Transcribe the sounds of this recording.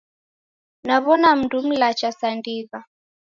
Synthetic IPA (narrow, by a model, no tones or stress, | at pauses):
naβɔnam̩dum̩lat͡ʃasandiɣa